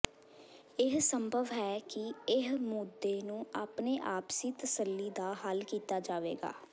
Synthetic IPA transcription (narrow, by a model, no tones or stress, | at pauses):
ɪɦsəmbʱəʋɦɛːkɪɪɦmuːd̪ːeːnũːaːpneːʔaːpsiːt̪əsəlːiːd̪aːɦəlkiːt̪aːd͡ʒaːʋḛːɡa̰ː